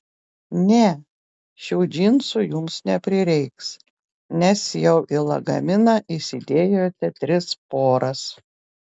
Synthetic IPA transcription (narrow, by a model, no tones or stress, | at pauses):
nʲɛ | ʃʲɛʊd͡ʒʲiːnsʊjʊmsnʲɛpʲɾʲɪɾʲɛɪks | nʲɛsjɛʊʔɪlˠɐ̰ɡɐ̰mʲɪnɐʔɪsʲɪd̪ʲeːjoːt̪ʲɛt̪ʲɾʲɪspoːɾɐs